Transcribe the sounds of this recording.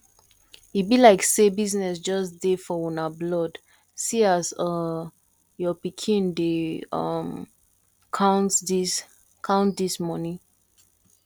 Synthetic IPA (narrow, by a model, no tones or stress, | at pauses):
ibilaɪksebiznɛsd͡ʒɔsdefɔwunablɔd | siasʌ | jɔpikʰĩndeʌm | kʰãʊ̃ntsdis | kʰãʊ̃ntdismɔnĩ